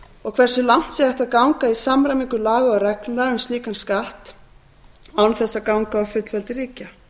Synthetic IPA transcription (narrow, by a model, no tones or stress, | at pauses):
ɔɣkʰvɛr̥sɪlan̥t̪sɛɛht̪aðkawŋkaisamɾajmiŋkʏlaːɣaarɛknlaɣʏnst̪iːkanskaht̪ | awnθɛsːakawŋkaːwfʏt̪l̥fɛlt̪ɪriːca